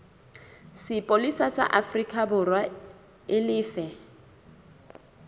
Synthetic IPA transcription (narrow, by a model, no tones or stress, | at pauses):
sɪpʼolisasa̰ʔafrikʼʰabʊrwa | ɪlɪːfɛ